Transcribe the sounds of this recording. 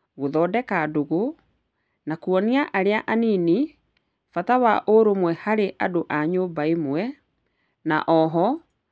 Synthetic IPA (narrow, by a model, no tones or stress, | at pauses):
ɣoðɔːdɛkadoɣo | nakuɔniaʔaɾeaʔanini | fatawaʔoɾomwɛhaɾeʔadoʔaɲombaemwɛ | naʔɔɦɔ